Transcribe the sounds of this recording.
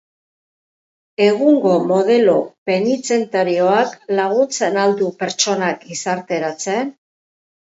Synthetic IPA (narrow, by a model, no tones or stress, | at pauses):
e̞ɣuŋɡo̞mo̞ð̞e̞lope̞nit͡se̞nt̪aɾio̞aklaɣ̞unt͡se̞nald̪upe̞ɾt͡ʃo̞nakɡisaɾt̪e̞ɾat͡se̞n